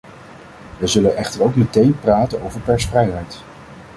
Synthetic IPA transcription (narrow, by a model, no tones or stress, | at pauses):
ʋəjzɵlənʔɛχtəɹowkmətejnpraːtənowvəɹpɛɹsfrɛjɦɛjt